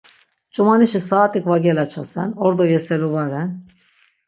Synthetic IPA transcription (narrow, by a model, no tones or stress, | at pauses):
t͡ʃʼumaniʃisaːt̪ʼikʼvaɡɛlat͡ʃʰasɛnɔɾd̪ɔjɛsɛluvaɾɛn